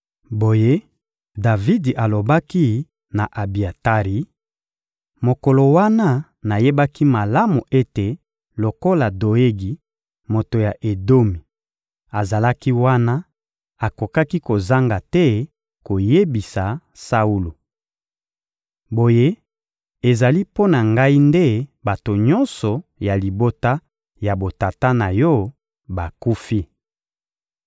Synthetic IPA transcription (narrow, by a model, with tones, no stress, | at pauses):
bo˨je˦ | da˨vi˦di˨ʔa˨lo˨ba˦ki˦ | na˨ʔa˨bi˨a˨ta˦ʁi˨ | mo˨ko˨lo˨wa˦na˦ | na˨je˦ba˦ki˦ma˨la˦mu˨ʔe˦te˨ | lo˨ko˦la˨do˨e˦ɡi˨ | mo˨to˨ja˨ʔe˨do˦mi˨ | a˨za˨la˦ki˦wa˦na˦ | a˨ko˨ka˦ki˦ko˨za˦ŋɡa˨tɛ˦ | ko˨je˦bi˨sa˨ | sa˦u˦lu˨ | bo˨je˦ | e˨za˨li˦po˦na˨ŋɡa˦i˦nde˦ba˨to˨ɲɔ˦nsɔ˨ja˨li˨bo˦ta˦ | ja˨bo˨ta˨ta˦na˨jɔ˦ | ba˨ku˦fi˦